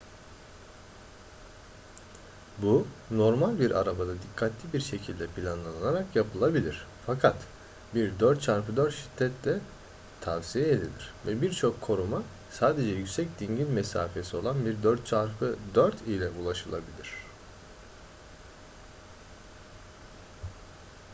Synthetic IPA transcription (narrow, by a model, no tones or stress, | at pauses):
buno̞ɾmalʲbiɾʔa̰ɾabad̪ad̪ikʰːat̪ʰlʲibiɾʃe̞cʰilʲd̪ɛpʰilʲanlˠananaɾakjapʰɯlˠabilʲiɾ̥fakʰat̪ | biɾd̪øɾt̪t͡ʃʰaɾfɯd̪øɾt̪ʃi̥t̪ʰːɛt̪lɛ | t̪ʰavsijɛed̪ilʲiɾ̥vɛbiɾt͡ʃʰo̞kʰːo̞ɾuma | saːd̪e̞d͡ʒɛjycʲsɛcd̪iɲɟilʲmɛsa̰ːfe̞sio̞lˠanbiɾd̪øɾt̪̚t͡ʃʰaɾfɯd̪øɾt̪ʰilʲɛʔulˠaʃɯlˠabilʲiɾ̝̥